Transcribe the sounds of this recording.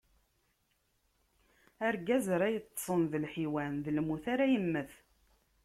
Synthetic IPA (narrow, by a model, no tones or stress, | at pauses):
æɾɡæzɾæjət̪ˤːsˤənðəlħiwænðlmuθaɾæjəmːəθ